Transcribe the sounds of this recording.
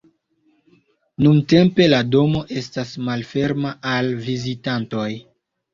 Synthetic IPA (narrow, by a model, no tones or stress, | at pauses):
nunte̞mpe̞lado̞mo̞ʔe̞stasmalfe̞ɾmaʔalvizitanto̞j